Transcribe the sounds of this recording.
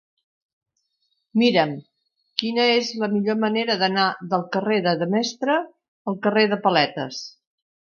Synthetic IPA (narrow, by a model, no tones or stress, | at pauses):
miɾəm | kinəezləmiʎoməneɾəðənaðəlˠkəreðəðəmɛst̪ɾəː | lˠkəreðəpəlɛt̪ə̰s